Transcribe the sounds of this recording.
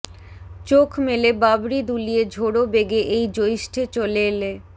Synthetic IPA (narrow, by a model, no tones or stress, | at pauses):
t͡ɕokʰmelebabɾid̪ulijed͡ʑʱoɽobeɡeʔejd͡ʑoiʃʈʰet͡ɕoleːle